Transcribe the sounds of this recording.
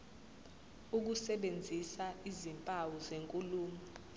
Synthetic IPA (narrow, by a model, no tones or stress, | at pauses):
uk̬usɛɓend͡zʱisaizimpʼawuzeŋkʼuluːmɔ